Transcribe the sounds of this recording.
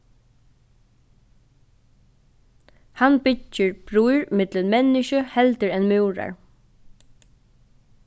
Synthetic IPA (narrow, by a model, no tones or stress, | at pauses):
hanbʏt͡ʃːəɹb̥ɹuːɹɪmɪt̪lənmɛnɪʃəhɛlt̪ɪɹɛnmʉːɹa̰ɹ